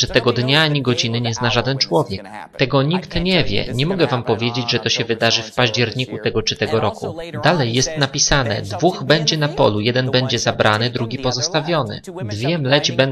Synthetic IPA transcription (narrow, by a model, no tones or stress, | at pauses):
ʐɛt̪ɛɡɔd̪ɲaaɲiɡɔd͡ʑinɘɲɛznaʐad̪ɛnt͡ʂwɔvʲjɛkt̪ɛɡɔɲikt̪ɲɛvʲjɛ̰ɲɛmɔɡɛvampɔvʲjed͡ʑed͡ʑʐɛt̪ɔɕɛvɘd̪aʐɘfpaʑd͡ʑɛɾɲikut̪ɛɡɔt͡ʂɘt̪ɛɡɔɾɔkṵd̪alɛjːɛst̪napʲisanɛ̰d̪vuɣbɛɲd͡ʑɛnapɔ̰lujɛd̪ɛnbɛɲd͡ʑɛzabɾʔanɘd̪ɾuɡʲipɔzɔst̪avʲjɔnɘ̰ | d̪vʲjɛmlɛd͡ʑbɛ